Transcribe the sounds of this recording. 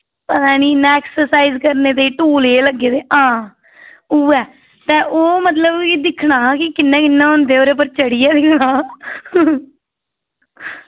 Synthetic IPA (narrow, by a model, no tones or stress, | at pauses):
pət̪aːniːnɛːksəsaːizkəɾneːt̪̬eːʈuːleːləɡːeːt̪eːɦãː | uːɛː | t̪ɛ̃ːʔoːmət̪ləbiːd̪ɪkʰɳaːkɪkɪnːɛ̃ːkɪnːãːɦʊnd̪eːoːɾeːp̬əɾt͡ʃəɽiːɛːd̪ɪkʰɽaː